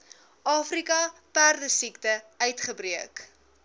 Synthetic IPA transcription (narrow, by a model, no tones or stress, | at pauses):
ʔɑːfrikɐpærdəsiktəœɥtχəbriək